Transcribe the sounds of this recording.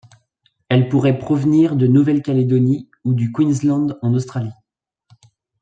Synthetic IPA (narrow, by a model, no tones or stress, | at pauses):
ɛlpuʁɛpχɔvniʁd̪ənuvɛlkʲaled̪ɔni | ud̪ykwinzlɑ̃d̪ɑ̃nost̪χali